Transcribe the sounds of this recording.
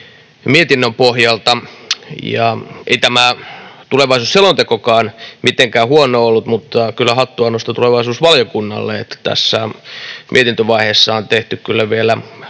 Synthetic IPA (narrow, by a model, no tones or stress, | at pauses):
miet̪inːømpohjɑlt̪ɑjɑ̰ʔḛit̪æmæt̪uleʋɑisuːsselont̪ekokɑːnmit̪eŋkæːhuonoolːut̪mut̪ːɑkylːæhɑt̪ːuɑnost̪ɑt̪uleʋɑisuːsʋɑljokunːɑ̰lːeet̪ːt̪æ̰sːæmʔiet̪int̪øʋɑiheːsːɑont̪eht̪ykkylːæʋielæ